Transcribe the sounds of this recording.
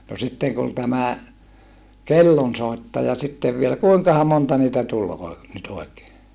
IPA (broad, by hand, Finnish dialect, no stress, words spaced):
no sitːeŋ kun tæmæ kelːonsoˑitːɑjɑ sitːeʋ ʋielæ kuiŋkɑhɑ montɑ niːtæ tul oi nyt oi̯keː